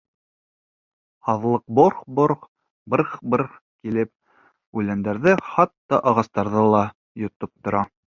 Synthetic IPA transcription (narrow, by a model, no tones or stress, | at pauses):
hɑðlˠɤq̚boɾχboɾχ | bɤɾχbɤɾχ | kilɘp̚ | ʉlænd̪æɾðɘχɑt̪ːɑʔɑʁɑst̪ɑɾðɤlˠɑ | jŏt̪op̚t̪ŏɾɑ